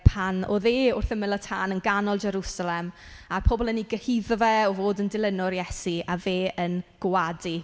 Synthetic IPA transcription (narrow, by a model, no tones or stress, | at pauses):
pʰanɔ̰ðeːʊrθəmɪlˠətʰaːnənɡanɔlˠd͡ʒɛɾusalɛmarpʰɔbɔlˠəniɡəhiðvɛɔvoːdəndɪlˠənɔrjɛsiaveːʔənɡ̥wadi